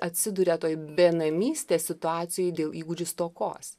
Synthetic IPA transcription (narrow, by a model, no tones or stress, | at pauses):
ʔɐt̪ʲsʲɪd̪ʊɾʲɛt̪oːjbʲeːnɐmʲiːsʲt̪ʲeːssʲɪt̪ʊɑːt̪sʲɪjoːjd̪ʲeːlˠʔiːɡʊd͡ʒʲʊst̪oːko̰ːs